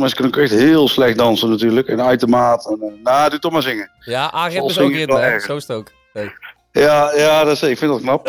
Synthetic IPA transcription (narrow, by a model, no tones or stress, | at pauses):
mɛnsə̥kənəkɛxtɦɪːlˠslɛxt̚dɑnsənatyːɹləkɛnaɥtəmaːtɛnnadutɔxmazɪŋə | aɔlˠsɪŋɛlɛɹxənsstok | jajadɔsɪkfɪndɔtknɑp